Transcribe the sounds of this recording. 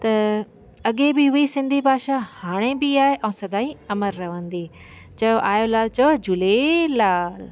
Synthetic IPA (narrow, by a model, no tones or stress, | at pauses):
t̪ɐ | ɐɠebɪɦʊisɪ̃nd̪ʱibʱaːʃahaːɽ̃ebɪaːɦeʔɛ̃ːsɐd̪ʱaːiɐməɾːɐʋə̃nd̪iː | t͡ɕɐjoʔaːjolaːlt͡ɕɐod͡ʑʊlelaːl